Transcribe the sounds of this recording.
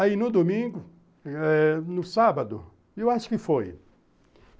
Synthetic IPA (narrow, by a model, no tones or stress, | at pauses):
ainʊd̪omĩɡʊ | ɛnʊsabɐd̪ʊ̰ | ewaʃʊ̥kɪfoj